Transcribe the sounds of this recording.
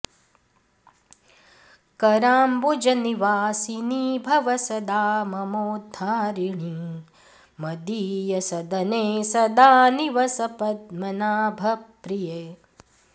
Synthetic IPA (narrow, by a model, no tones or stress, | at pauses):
kɐɾaːmbod͡ʒɐniʋaːsiniːbʱɐʋɐsɐd̪aːmɐmoːd̪ʱːaːɾiɳi | mɐd̪ijɐsɐd̪ɐneːsɐd̪aːniʋɐsɐpɐd̪mɐnaːbʱɐpɾijeː